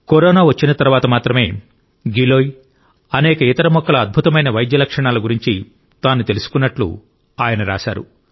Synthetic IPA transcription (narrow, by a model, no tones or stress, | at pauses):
kɔɾɔːnaːʋɐt͡ʃːinɐt̪ɐɾuʋaːt̪ɐmaːt̪ɾɐme̞ː | ɡiloːj | ɐnɛːkɐit̪ɐɾɐmɔkːɐlɐɐd̪̚bʱut̪ɐmɐjnɐʋɐjd̪jɐlɐkʂɐɳaːluɡuɾiɲt͡ʃi | t̪aːnːut̪e̞lusu̥kunːɐʈlṵ | aːjɐnɐɾa̰ːʃa̰ːɾṵ